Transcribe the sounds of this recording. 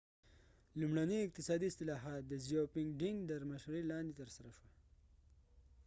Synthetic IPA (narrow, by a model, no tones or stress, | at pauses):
lumɽaniɪq̚t̪ɪsɑd̪iɪst̪ɪlɑɦɑt̪̚d̪əzijopɪŋɡɖind̪əɾmaʃɾelɑnd̪et̪əɾsaɾaʃwa